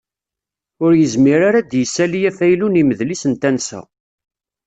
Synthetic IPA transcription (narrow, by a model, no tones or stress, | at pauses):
ʊɾjəzmiɾaɾad̪jəsːælijæfæjluniməðlisənt̪ænsæ̰